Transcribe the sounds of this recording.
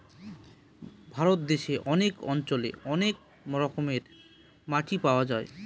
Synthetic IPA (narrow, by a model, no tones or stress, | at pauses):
bʱaɾot̪̚d̪eʃeʔɔnekɔ̰nt͡ɕolḛɔnek̚ | mɾɔkomeɾ | maʈipaoad͡ʑae